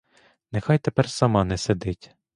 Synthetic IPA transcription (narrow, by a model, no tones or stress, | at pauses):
nexɑjt̪epɛrsɐmɑnɛsed̪ɪtʲ